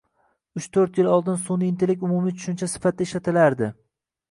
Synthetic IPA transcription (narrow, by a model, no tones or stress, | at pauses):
ʊt͡ʃt̪ʰɵɾt̪jɪlɒlˠd̪ɪnsonɪnt̪ʰelɪkʲʊmumit͡ʃʰʊ̥ʃɪnt͡ʃʰasɪ̥fat̪̚d̪aɪʃlat̪ʰɪlaɾd̪ɪ